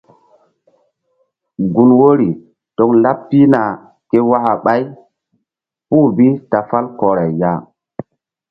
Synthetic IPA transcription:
ɡu˨nwo˦ɾi˨ | to˨kla˦pːi˦na˨ | ke˦wa˦ʔa˨ɓa˦j | pu˦˨bi˦ta˨fa˦lkɔ˨ɾa˨ja˦

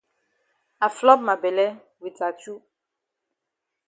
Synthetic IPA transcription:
a˨flɔ˦p̚ma˨bɛ˨lɛ˦ | wi˨ta˨t͡ʃu˦

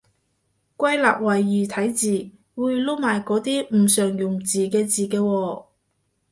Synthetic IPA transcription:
kʷɐ˥jla̰ː˨p̚wɐ˨˩jːyː˨t̪ʰɐ˨˥jt͡siː˨˩ | wuː˨˧jlo˥wmaː˨jkɔː˨˥t̪iː˥m̩˨˩sœː˨˩ŋjʊ˨˩ŋt͡siː˨˩kɛː˧t͡siː˨kɛː˧wɔː˧

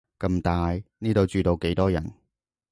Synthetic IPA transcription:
kɐ˧mt̪aː˨˧jniː˥t̪o˨wt͡ʃyː˨˧t̪o˨˧wke˨˥jt̪ɔː˥jɐ̰˨˩n

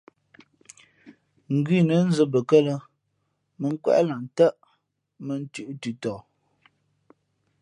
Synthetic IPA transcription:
ŋ̩˨ɡɥi˦˨nə˨˦n̩˦zə˦bə˨kə˦lə˦ | mə˨ŋ̩˦kwɛ̰˦ʔla˨n˨tə˦ʔ | mə˨n˦tʉ˦˨ʔtʉ˨tɔ˨

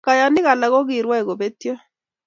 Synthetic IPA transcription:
ka˨ja˨nɪ˦ɣa˨la˨ɣɔ˦ɣi˨ɾwa˦ɛ˨ɣo˨be˦t̪jo˦

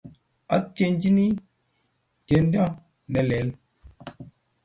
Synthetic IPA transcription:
a˦t͡ʃe˦n˦d͡ʒi˦ni˦˨ | t͡ʃe˨˦n˦da˦ | nɛ˨lɛ˨˦l

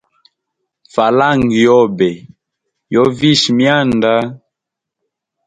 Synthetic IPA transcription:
fa˨la˦ŋɡjɔ˦bɛ˨ | jɔ˦vi˦ʃmja˦˨nda˦

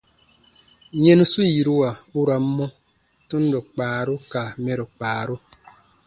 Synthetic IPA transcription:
ɲe˦nu˦su˦ji˨ɾu˦wa˨u˦ɾa˨m˦mːɔ˦ | tu˦n̩˦dɔ˨k͡paː˨ɾu˦ka˨mɛ˨ɾɔ˨k͡paː˨ɾu˦

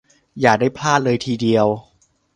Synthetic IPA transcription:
jaː˨˩k̚da˥˩jpʰlaː˥˩t̪̚lɤː˧jt̪ʰiː˧di˧əw

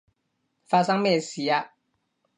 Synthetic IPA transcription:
fa˧sa˥ŋmɛ˥˨si˨˦a˦

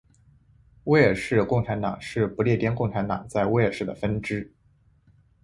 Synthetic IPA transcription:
we˥˩ʂɻ̩˥˧kʊ˥˩ŋʈ͡ʂʰa˧˥nt̪ɑ̰˨˩˦ŋʂɻ̩˥˩pu˧˥ljɛ˥˩t̪jɛ˥nkʊ˥˩ŋʈ͡ʂʰa˧˥nt̪ɑ̰˨˩ŋt͡sa˥˧ɪwe˥˧ə˧˩ʂɻ̩˥˩d̪ə̰˩fə˥nʈ͡ʂɻ̩˥

